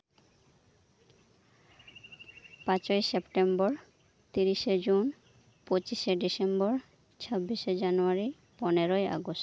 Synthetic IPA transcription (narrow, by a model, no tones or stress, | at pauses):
pãt͡ɕoesepʈembɔɾ | t̪iɾiʃed͡ʑun | pot͡ɕiʃeɖisembɔɾ | t͡ɕʰɔbːiʃed͡ʑanuaɾi | pɔneɾoeʔa̰ɡosʈ